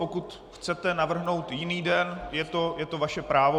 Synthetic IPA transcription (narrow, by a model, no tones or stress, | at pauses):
okut̪ | xt͡sɛt̪ɛnavr̩ɦno̞wt̪jɪniːdɛnjɛt̪o̞jɛt̪o̞vaʃɛpɾaːvo